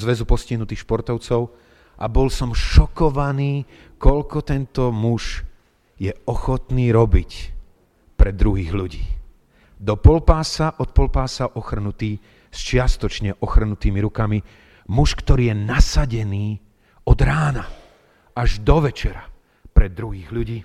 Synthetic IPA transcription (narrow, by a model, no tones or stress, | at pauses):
zʋɛzupɔsciɦnut̪iːxʃpɔɾt̪ɔʊt͡sɔʊ | ʔa̰bɔlsɔmʃɔkɔʋaniː | kɔʎkɔt̪ɛnt̪ɔmuʃ | jɛɔxɔt̪niːɾɔbic | pɾɛd̪ɾuɦiːɣʎuɟḭː | d̪ɔpɔlpaːsaʔɔt̪̚pɔlpaːsaʔɔxr̩nut̪iː | st͡ʃɪast̪ɔt͡ʃɲɛʔɔxr̩nut̪iːmiɾukami | muʃkt̪ɔɾiːjɛnasaɟɛniː | ɔd̪ɾaːna | aʒd̪ɔʋɛt͡ʃɛɾa | pɾɛd̪ɾuɦiːɣʎuɟiː